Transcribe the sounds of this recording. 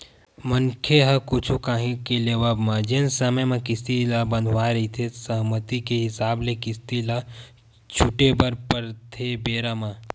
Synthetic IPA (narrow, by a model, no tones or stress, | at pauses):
mənkʰeɦəkut͡ʃʰukaɦĩkeleʋəbməd͡ʒensəməjmẽkist̪iləbə̃nd̪ʱʋaɾəit̪ʰesəɦmət̪ikeɦisablekist̪ilə | t͡ʃʰuʈebəɾpəɾt̪ʰebeɾəma